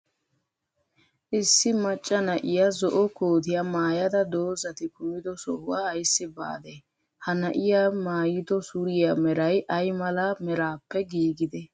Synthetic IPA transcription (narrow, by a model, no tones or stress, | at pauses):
ʔɪsːɪmɐt͡ʃʼːɐnɐʔɪjazɔʔɔkoːt̪ɪjamaːjɐd̪ɐd̪o̞ːzɐt̪ɪkʊmɪd̪ɔsɔwaːɐjsːɪba̰ːd̪ɛ | hɐnɐʔɪjamaːjɪd̪ɔsʊɾɪjamɛɾɐjʔɐjmɐlamɛɾaːpːɛɡiːɡɪd̪ɛ